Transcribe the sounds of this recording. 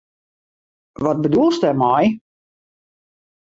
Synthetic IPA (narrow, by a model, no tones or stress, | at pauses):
ʋɔt̚bədulˠstɛmɔj